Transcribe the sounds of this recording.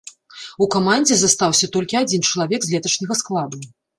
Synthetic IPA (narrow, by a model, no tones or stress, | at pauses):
ukamanʲd͡zʲɛzast̪awsʲɐt̪ɔlʲkʲiad͡zʲint͡ʂɐlˠavʲɛɡzlʲɛt̪ɐt͡ʂnʲɐɣɐsklˠad̪u